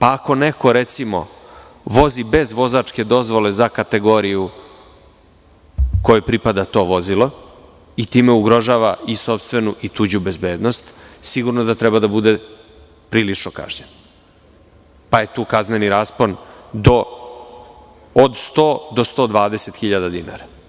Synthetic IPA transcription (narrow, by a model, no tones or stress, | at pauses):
paːko̞neko̞ɾet̪simo̞̰ | ʋo̞zibe̞zʋo̞zaːt͡ʂke̞d̪o̞zʋo̞le̞zakat̪e̞ɡo̞ɾiju | ko̞jupɾipad̪at̪o̞ːʋo̞zilo̞ | it̪iːmeuɡɾo̞ʒaːʋaiso̞pst̪ʋe̞nuʔit̪uːd͡ʑube̞zbeːd̪nost̪siɡuɾnod̪at̪ɾɛbad̪abud̪e̞ | pɾiːlit͡ʂnoka̰ʒɲen | paje̞t̪uːkazneniɾaspond̪o̞ | d̪st̪oːd̪o̞st̪o̞ːd̪ʋaːd̪e̞se̞t̪xiʎad̪ad̪ina̰ːɾa